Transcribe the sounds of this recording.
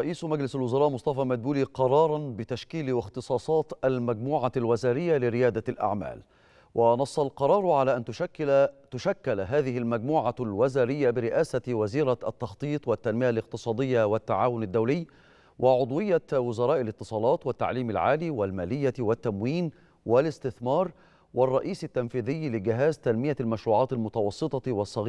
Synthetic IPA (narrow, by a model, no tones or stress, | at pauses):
ɾˤɑʔiːsmad͡ʒlɪsalwʊzɑɾɑːʔmʊsˤt̪ɑfɑmad̪̚buːliːqɑɾˤɑːɾˤɑnbɪt̪aʃkiːlwɪxt̪ɨsˤɑːsˤɑːt̪almaɡmuːʕalwazaːɾɪjːalɪɾɪjaːd̪alʔa̰ʕma̰ːl | wʔɪnɑsˤːɑlqɑɾˤɑːɾˤʕalaːʔant̪ː | t̪ʊʃakːalɦaːðɪɦɪlmaɡ̚muːʕalwazaːɾɪjːabɪɾɪʔaːsawaziːɾaʔat̪ːɑxt̪ˤiːt̪ˤwat̪ːanmɪjalɪq̚t̪ɨsˤɑːd̪ɪjːawɪt̪ːaʕaːwʊnɪd̪ːawlɪjː | wʔɪʕʊd̪ˤwɪjːawʊzɑɾˤɑːʔɪlɪt̪ːɨ̥sˤɑːlɑːt̪wat̪ːa̰ʕliːmɪlʕa̰ːliːwɪlmæːlɪjːawɪt̪ːamwiːn | wɪlɪst̪ɪθmɑːɾˤ | wɑrˤːɑʔiːsɪt̪ːamfiːðɪjːlɪɡɪɦæːzt̪anmɪjalmaʃɾuːʕɑːt̪ɪlmʊt̪ɑwɑsˤːɨt̪ˤɑwɑsˤːɑɣː